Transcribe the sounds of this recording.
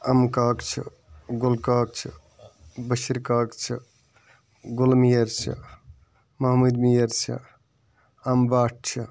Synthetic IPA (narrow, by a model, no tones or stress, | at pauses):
ɐmkaːkt͡ʃʰḭ | ɡolkaːk̚t͡ʃʰḭ | bəʃiɾkaːkt͡ʃʰi | ɡolmijəɾsɐ̰ | mɐɦmud̪mijəɾt͡ʃə̰ | ɐmbaːʈ̚t͡ʃʰi